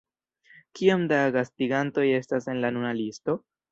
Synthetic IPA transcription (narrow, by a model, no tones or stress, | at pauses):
kiamdaɡastiɡanto̞je̞stase̞nlanunalisto̞